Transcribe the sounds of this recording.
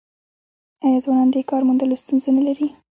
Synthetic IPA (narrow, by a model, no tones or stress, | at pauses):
ɑjɑzwɑnɑnd̪əkɑɾmund̪əlost̪unzenalaɾi